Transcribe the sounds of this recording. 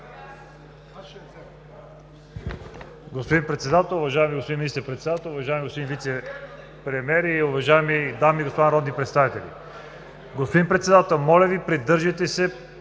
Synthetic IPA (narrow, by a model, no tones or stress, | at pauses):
ɡospod̪inpɾɛt̪sɛd̪at̪ɛlˠʊvɐʒajɛmiɡospod̪inminist̪ɛɾpɾɛt̪sɛd̪at̪ɛlˠʊvɐʒajɛmiɡospod̪invit̪sɛ | pɾɛmʲɛɾiːʊvɐʒajɛmid̪amiɡospod̪anɾɔd̪nipɾɛt̪st̪avit̪ɛlḭ | ɡospod̪inpɾɛt̪sɛd̪at̪ɛlˠmɔlʲɐvipɾid̪ɤɾʒət̪ɛsɛ